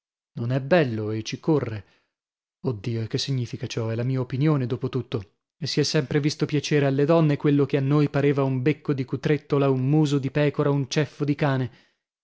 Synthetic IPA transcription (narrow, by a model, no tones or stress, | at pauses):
nonɛbːɛlːoet͡ʃikorːe | od̪ːiːoekesːiɲːiːfikat͡ʃɔɛlamiːaopinjoːned̪oːpot̪ut̪ːo | esːiɛsːɛmpɾevist̪opjat͡ʃɛːɾealːed̪ɔnːekwelːokeanːojpaɾeːvaumbekːod̪ikut̪ɾet̪ːolaummuːzod̪ipɛːkoɾaunt͡ʃɛfːod̪ikaːne